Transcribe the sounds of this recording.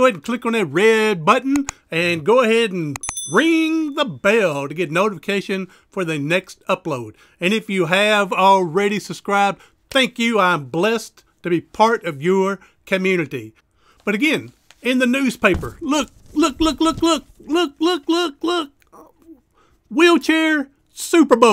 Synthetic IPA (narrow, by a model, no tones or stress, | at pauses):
ʊɛdn̩kʰl̥ɪkn̩ðɨt̚ɹɛd̚bʌʔn̩ | ɨ̃nɡoʊəhɛɾn̩ɹɪ̃ŋðəbɛlˠtɨɡɛtⁿnoʊɾəfəkʰeɪʃɨ̃n | fə˞ðɨnɛkstʌploʊɾ | ɨ̃nɨfjɨɨvl̩ˠɹɛɾisɨb̥skɹaɪb̚d | θæ̃ŋkjɨãɪ̃mblɛst | tʰɨbipʰɑɹɾʌvjə˞ | kʰɨmjʉñɨɾi | b̥ʌɾɨɡɛ̃n | ɪ̃nðɨnʉz̥pʰeɪpə˞lʊk̚lʊklʊklʊklʊk̚lʊk̚lʊklʊklʊk̚ | wilˠt͡ʃʰɛɹ | sʉpə˞bo